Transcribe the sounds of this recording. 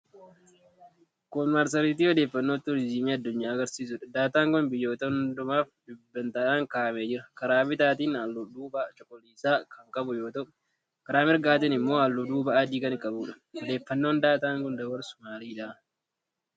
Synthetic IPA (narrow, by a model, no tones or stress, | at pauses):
kɔnmaɾs̬ɐɾiːt̪iːɔd̪e̞ːfːɐnːoːt̪ːʊɾɪd͡ʒimiːɐd̪ːʊɲːaːɡɐɾsiːs̬ʊᶑɐd̪aːt̪aːŋkɔnbɪjːo̞ːt̪ɐnd̪ʊmaːfdɪbːɐnt̪aːnaŋkaːɐmeːd͡ʒɪɾɐkɐɾaːbɪt̪aːt̪iːnɐlːʊd̪uːbaːt͡ʃʼɔkʼːɔliːsaːkɐŋkʼɐbʊjo̞ːt̪ɐʔ | kɐɾaːmɪɾɡaːt̪ɪnɪmːo̞ːɐlːʊd̪uːbɐaːd͡ʒiːkɐnɪkʼɐbuːᶑɐ̥ | ɔd̪e̞ːfːɐnːo̞ːnd̪aːt̪aːŋkɔnd̪ɐwɐɾsʊmaːliːᶑaː